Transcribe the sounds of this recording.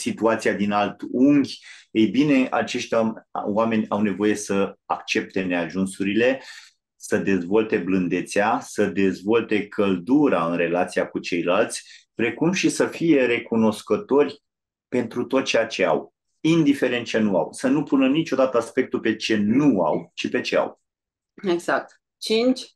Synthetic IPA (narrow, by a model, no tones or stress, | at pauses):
sit̪uat̪siad̪inalt̪uŋɡʲejbine̞a̰t͡ʃe̞ʃt̪ʲwame̞nʲawne̞vo̞je̞səakt͡ʃe̞p̚t̪e̞ne̞aʒunsuɾile̞ | səd̪e̞zvo̞lt̪e̞blɨnd̪et̪seasəd̪e̞zvo̞lt̪e̞kʰəld̪uɾaɨnre̞lat̪siakut͡ʃe̞jlalt̪sʲpɾe̞kumʃisəfije̞ɾe̞kuno̞skət̪o̞rʲ | pe̞nt̪ɾut̪o̞t̪̚t͡ʃejat͡ʃe̞a̰w | ind̪ife̞ɾe̞nt̪̚t͡ʃe̞nua̰wsənupunənit͡ʃo̞d̪at̪əaspe̞k̚t̪upe̞t͡ʃe̞nua̰wt͡ʃipe̞t͡ʃe̞a̰w | eɡz̥ak̚t̪ | t͡ʃint͡ʃʲ